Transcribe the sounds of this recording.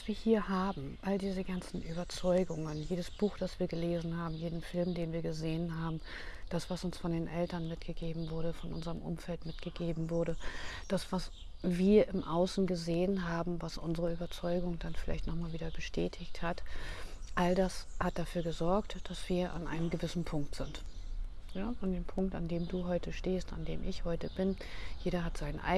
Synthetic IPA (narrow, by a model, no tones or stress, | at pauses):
sv̥iːɐhiːɐɦaːbm̩ʔaldiːzəɡant͡sn̩ʔyːbɐt͡sɔʏɡʊŋənjeːdəsb̥uːxd̥asv̥iːɐɡəleːzn̩haːbm̩jeːdn̩fɪlmdeːnviːɐɡəzeːənɦaːbm̩ | d̥asv̥asʊnsfɔndeːnʔɛltɐnmɪtɡ̥əɡeːbm̩vʊɐɾəfɔnʔʊ̰nzəʁəmʔʊ̰mfɛltmɪtɡ̥əɡeːbm̩vʊɐɾə | d̥asv̥as | viːɐʔɪmʔaʊsn̩ɡəzeːənɦaːbm̩vasʔʊnzəʁəyːbɐt͡sɔʏɡʊŋdanfɪlaɪçtnɔχmaːlviːdɐbəʃtʰɛːtʰɪçthat | ʔaldashat̚d̥afyːɐɡəzɔɐktd̥asv̥iːɐʔa̰nʔa̰ɪnəmɡəvɪsn̩pʰʊŋk̚tz̥ɪnt | əandeːmpʰʊŋk̚ta̰ndeːmduːɦɔʏtəʃteːsta̰ndḛːmʔɪçhɔʏtəbɪn | jeːɾɐɦatz̥aɪnəʔa̰ɪ